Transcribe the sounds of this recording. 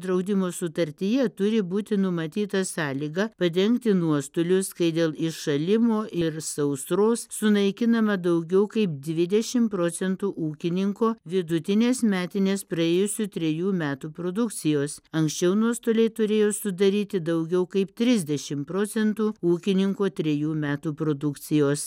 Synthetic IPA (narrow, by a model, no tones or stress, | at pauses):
d̪ɾɐʊd̪ʲɪmoːsʊt̪ɐɾʲt̪ʲɪjɛt̪ʊɾʲɪbuːt̪ʲɪnʊmɐt̪ʲiːt̪ɐsɑːlʲiːɡɑpɐd̪ʲɛŋkt̪ʲɪnuɔst̪olʲʊskɐɪd̪ʲeːlˠɪʃʃɐlʲɪmoːʔɪɾsɐʊsɾoːssʊnɐɪkʲɪnɐmɐd̪ɐʊɡʲɛʊkɐɪp̚d̪ʲʋʲɪd̪ʲɛʃʲɪmpɾoːt͡ssʲɛnt̪uːʔuːkʲɪnʲɪŋkoːʋʲɪd̪ʊt̪ʲɪnʲeːsmʲæːt̪ʲɪnʲeːspɾɐeːjʊsʲʊt̪ʲɾʲɛjuːmʲæːt̪uːpɾoːd̪ʊkt̪t͡s̪ʲɪjoːsɐŋksʲt͡ʃʲɛʊnuɔst̪oːlʲeɪt̪ʊɾʲeːjoːsʊd̪ɐɾʲiːt̪ʲɪd̪ɐʊɡʲɛʊkɐɪpt̪ʲɾʲɪzʲd̪ʲɛʃʲɪmpɾoːt͡ssʲɛnt̪uːuːkʲɪnʲɪŋkoːt̪ʲɾʲɛjuːmʲæːt̪uːpɾoːd̪ʊkt̪sʲɪjoːs